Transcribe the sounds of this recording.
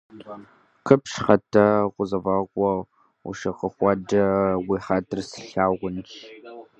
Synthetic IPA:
kʰəpʃχɐtʰɐqʷʊzɐvɑːkʷʼɔ | ṵʃɐqəχʷɑd͡ʒɐwiːħatʰɨrsɨ̥ɬaːʁʷʊnt͡ʃ

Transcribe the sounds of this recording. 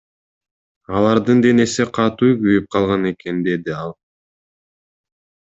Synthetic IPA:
ɑlˠɑɾd̪ɯnd̪e̞ne̞siqʰɑt̪ujɡyjyp̚qʰɑlˠʁɑne̞ke̞nd̪e̞d̪iɑlˠ

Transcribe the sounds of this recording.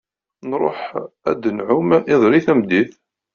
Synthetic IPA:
nɾˤo̰ħæ̰d̪ənʕʊmɪðˤɾiθæmd̪iθ

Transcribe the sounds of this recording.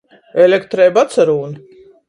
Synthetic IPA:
ɛlʲɛkt̪ɾɛːbat̪saɾuːn

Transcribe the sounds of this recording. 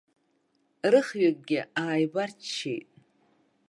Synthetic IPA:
rɨχɥakʼɡʲɪaːjbart͡ʃʰːḛjtʼ

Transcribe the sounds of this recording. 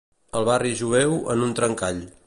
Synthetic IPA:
əlˠβariʒuβɛwə̰nunt̪ɾəŋkaʎ

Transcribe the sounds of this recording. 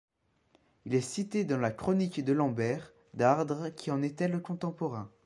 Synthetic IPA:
ilɛsit̪ed̪ɑ̃lakχɔnikd̪əlɑ̃bɛʁ | d̪aʁd̪ʁəkʲiɑ̃net̪ɛləkɔ̃t̪ɑ̃pɔʁɛ̃

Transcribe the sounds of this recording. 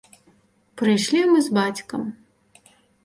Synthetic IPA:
pɾɨjʂlʲimɨzbat͡sʲkɐm

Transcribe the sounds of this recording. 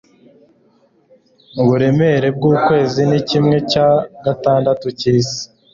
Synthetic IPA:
uβuɾe̞me̞ɾe̞b̚ɡuːkwe̞ːzinicimŋe̞caɡataːndatuciːsi̥

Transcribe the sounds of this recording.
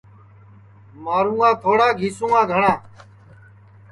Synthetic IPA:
maːɾũːãːt̪ʰoːɽãːɡʱiːsũːãːɡʱəɳãː

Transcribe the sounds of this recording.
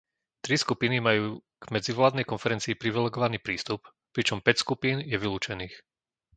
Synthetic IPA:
t̪ɾiskupinimajuː | ɡ̥mɛd͡ziʋlaːd̪nɛjkɔnfɛɾɛnt͡siːpɾiʋilɛɡɔʋaniːpɾiːst̪up | pɾit͡ʃɔmpɛcskupiːnjɛʋiluːt͡ʃɛniːx

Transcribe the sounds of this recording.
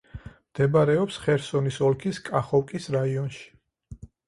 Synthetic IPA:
md̪̥ɛbaɾɛɔpsχɛɾsɔnisɔlˠkʰiskʼaχɔwkʼisɾaiɔnʃi̥

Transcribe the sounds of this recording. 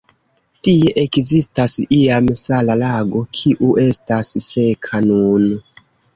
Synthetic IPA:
tie̞ʔekzistasiamsalalaɡo̞kʰiʔuʔe̞stasse̞kʰanun

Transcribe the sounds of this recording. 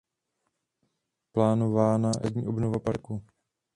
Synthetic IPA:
plaːnovaːnaʔɛ̰dɲiːʔobnovapaɾku

